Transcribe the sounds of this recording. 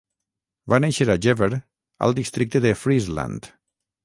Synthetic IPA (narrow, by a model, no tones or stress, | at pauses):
vaneʃəɾaʒɛβeɾ | ə̰lˠd̪ist̪ɾik̚t̪əðəfɾizla̰nt̪